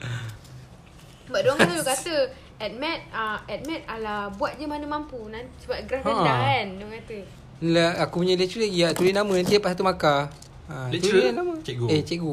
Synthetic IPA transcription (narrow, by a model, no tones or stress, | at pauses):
baʔ̚doaŋknkalokat̪ə | ɛt̪̚mɛt̪̚aɛt̪̚mɛt̪̚alabuat̪̚d͡ʒəmanəmampunansəbapɡɾafandaandoaŋkat̪ə | laakupuɲalet͡ʃuleiaʔt̪uɾinamə̃nant̪iəpasat̪umaka | at̪unət͡ʃɡuet͡ʃɛʔɡu